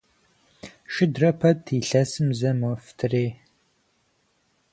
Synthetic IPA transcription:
ʃɪdrɐpʰɐtʰiːɬɐsɨmzɐmɨftʰɨreː

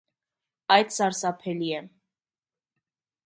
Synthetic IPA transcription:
ɑjd̪sɑɾsɑpʰɛliɛ

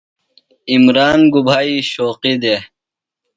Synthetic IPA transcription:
imɾaːnɡubʱaːiɕoːqid̪e

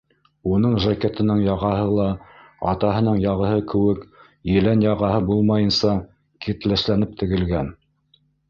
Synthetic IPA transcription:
unɤɴʒaket̪ɘ̆nɘɴjɑʁɑɦɤlˠɑ | ɑ̰t̪ɑɦɤ̆nɤɴjɑʁɤ̆ɦɤkɘ̆wɘk | jɘ̆lænjɑʁɑhɤbulˠmɑjɤ̆nsɑ | kit̪læʃlænɘp̚t̪ɘ̆ɡɘ̆lɡæn

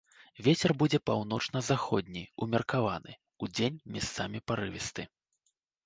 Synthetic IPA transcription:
vʲet͡sʲɛrbud͡zʲɛpawnɔt͡ʂnɐzaxɔd̪ʲnʲijumʲɛrkavanɨ̰ | ud͡zʲenʲmʲast̪samʲipaɾɨvʲist̪ɨ

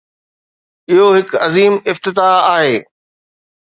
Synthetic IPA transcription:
ɪɦoɦɪkɐziːmɪft̪ɪt̪aːaːɦeː

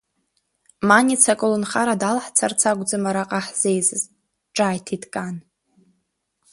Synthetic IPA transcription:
manit͡sʰakʼɨlɨnχaɾadalħt͡sʰart͡sʰaɡʷd͡zɨmaɾaqʼaħz̥ejzɨz | ʈ͡ʂʼaːjtʰidkʼan

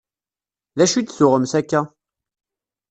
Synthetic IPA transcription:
læʃyt̪soʁɔmsakːa

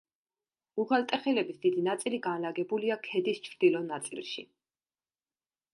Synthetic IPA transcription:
ukalt̪ʼɛχilɛbisd̪id̪inat̪sʼiliɡanlaɡɛbuliakʰɛd̪ist͡ʃʰɾd̪̥ilɔnat̪sʼḭlˠʃḭ

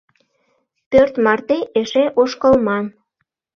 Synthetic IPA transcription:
pørt̪mɑrt̪eʔeʃeʔoʃkəlmɑm

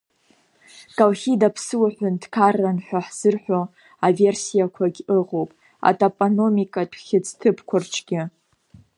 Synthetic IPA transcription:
kʼalχʲidapʰsɨwaħʷʊndkʰarːanħʷᶣaħz̥ɨrħʷᶣo | ave̞rsijakʷʰaɡʲɨʁo̞wpʼ | a̰tʼapʼono̞mikʼatʷʰʼχʲɪt͡sʰtʰɨpʰkʷʰʊrt͡ʃʰɡʲɪ

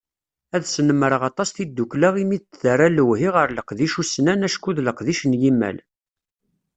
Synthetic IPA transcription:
æðsnəmːəɾəʁɑt̪ˤɑsθid̪ːuklaʁimiðt̪θərˤæləwɦiʁəɾləqðiʃusnænæʃkuðləqðiʃnjimːæ̰l

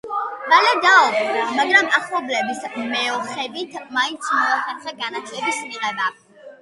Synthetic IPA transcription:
balɛd̪aɔbamaɡɾamaχlˠɔblɛbismɛɔχɛbit̪ʰmaint̪sʰmɔaχɛt̪sχʼɛɡanat̪ʰlɛbismiqʼɛba

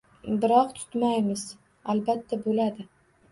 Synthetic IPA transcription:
bɪɾɒq̚t̪ʰʊ̥t̪majmɪz | albat̪ʰːabolad̪ɪ

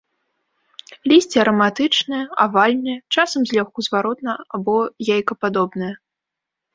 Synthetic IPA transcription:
lʲisʲt͡sʲiɐɾɐmat̪ɨt͡ʂnɨjɛavalʲnɨjɐt͡ʂasɐmzʲlʲɔxkuzvaɾɔt̪nɐabɔjajkɐpad̪ɔbnɨjɐ

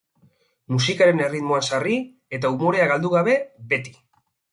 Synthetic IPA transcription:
musikaɾe̞ne̞rit̪mo̞ansari | e̞t̪aumo̞ɾe̞aɣald̪uɣaβe̞be̞t̪i̥

